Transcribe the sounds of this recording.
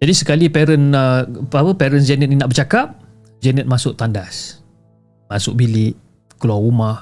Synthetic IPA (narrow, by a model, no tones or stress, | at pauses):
d͡ʒadisəkalipɛɾənəpapəpɛɾənsd͡ʒɛnət̪̚ninaʔbərt͡ʃakap̚ | d͡ʒɛnət̪̚masʊkt̪andas | masʊk̚bilɪʔ | kəluaumah